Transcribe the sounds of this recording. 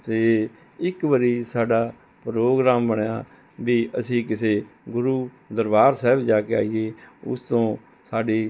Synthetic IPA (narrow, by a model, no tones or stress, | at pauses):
t̪eː | ɪkʋəɾiːsaːɖaː | pɾoːɡɾaːmbəɳeaː | biːʔəsĩːkɪseːɡʊɾuː | d̪əɾbaːɾsɛːbd͡ʒaːkea̰ːiːeːʊ̰st̪õː | saːɖiː